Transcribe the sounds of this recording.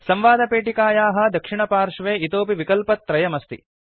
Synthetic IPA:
sɐmʋaːd̪ɐpeːʈikaːjaːɦɐ̆d̪ɐkʂiɳɐpaːɾʂɐʋeːit̪oːpiʋikɐlpɐt̪ːɾɐjɐmɐst̪ḭ

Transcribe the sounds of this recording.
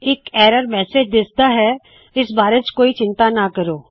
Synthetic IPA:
eːkɛːɾəɾmɛːsed͡ʒd̪ɪst̪aɦɛ | ɪsbaːɾet͡ʃkoːit͡ʃɪ̃nt̪anakɐɾoː

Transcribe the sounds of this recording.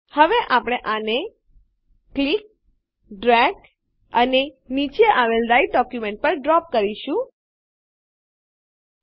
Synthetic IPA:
həʋeʔapɽ̃eʔane | klik̚ | ɖɾɛɡ | əne | nit͡ʃeʔaʋelɾajiɖɔkjumẽɳʈ̚pəɾɖɾɔp̚kəɾiʃũ

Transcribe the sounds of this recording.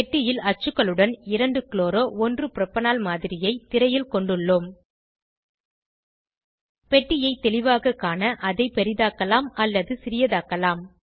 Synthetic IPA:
ʈːɪjɪlɐt͡ʃːɯkːɐɭɯɽɐnɪɾɐɳɖɯkɪloːɾoːʔɔndrɯpɪɾɐpːɐnaːlmaːðɪɾɪjɐɪt̪ːɪɾɐjɪlkɔɳɖɯɭːɯm | pɛʈːɪjɐɪt̪ːɛlɪʋaːɣɐkːaːnɐʔɐðɐɪpɛɾɪðaːkɐlaːmɐlːɐðɯsɪɾɪjɐðaːkɐlaːm

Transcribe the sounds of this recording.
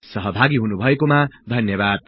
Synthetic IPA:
sʌɦʌbʱaɡiɦunubʱʌekomad̪ʱʌnjʌbad̪̚

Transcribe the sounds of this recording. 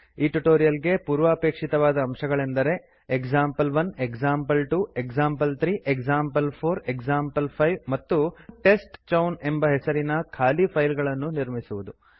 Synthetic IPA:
iːʈuʈoːɾijɐlɡe̞puːɾʋɐɐpeːkʂit̪ɐʋaːd̪ɐːmʃɐɡɐɭe̞nd̪ɐɾe̞ | ekd͡ʒaːmpɐlʋɐneksaːmpɐlʈueksaːmpɐlt̪ʰɾiːʔekd͡ʒaːmpɐlpʰoːɾeksaːmpɐlpʰɐjʋmɐt̪ːuʈe̞sʈt͡ʃɐwne̞mbɐɦɛsɐɾinɐkʰaːlipʰɐjlɡɐɭɐnːuniɾmisuʋud̪u

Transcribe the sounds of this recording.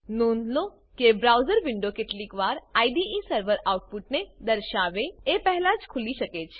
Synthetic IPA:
nõnd̪lo | kebɾawzəɾʋɪɳɖokeʈlikʋaɾaiɖiĩsəɾʋəɾawʈ̚puʈ̚ned̪əɾʃaʋeepɛɦɛlãd͡ʒkʰuliʃəket͡ʃʰe̥

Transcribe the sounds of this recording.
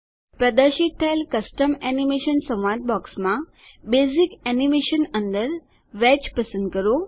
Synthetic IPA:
pɾəd̪əɾɕit̪̚t̪ʰːaelkəsʈəmɛnimeʃənsə̃w̃ʋat̪̚bɔksmã | bezikɛnimeɕənənd̪əɾ | ʋɛt͡ɕpəsə̃nd̪̚kəɾo

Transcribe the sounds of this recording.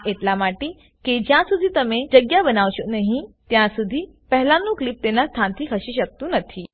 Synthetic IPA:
ʔeʈ̪lamaʈi | ked͡ʑjãsud̪ʱiːt̪əmẽd͡ʑəɡjabənaʋɕonəɦĩt̪jãsud̪ʱiː | pəɦlanːũːklip̚t̪enːast̪ʰant̪ʰiːkʰəɕiːɕək̚t̪uːnət̪ʰiː

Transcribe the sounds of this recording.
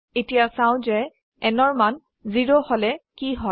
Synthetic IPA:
etijasãw̃zɛ | ɛnɔɹman | ziɹohɔlɛkiɦɔ

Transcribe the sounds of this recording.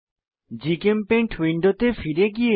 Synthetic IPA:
d͡ʑikempeɳʈʰwiɳɖot̪efiɾeɡie

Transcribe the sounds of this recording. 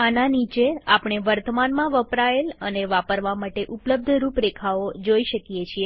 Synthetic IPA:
ananit͡ʃeapɳ̃eʋəɾt̪əmanmãʋəpɾaeləneʋapəɾʋamaʈeʔupləb̚d̪ʱəɾupɾekʰaod͡ʒoiʃəkijet͡ʃʰie

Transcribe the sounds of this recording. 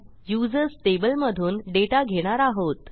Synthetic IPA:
jud͡zəɾsʈebəlməd̪ʱuːnɖeʈaɡʱeɽ̃aɾaɦot̪

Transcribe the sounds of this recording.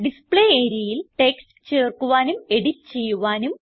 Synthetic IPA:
ɖispɭeeːɾiɐjilʈe̞ksʈt͡ɕe̞ːrkuʋaːnume̞ɽitːt͡ɕe̞jːuʋaːnum

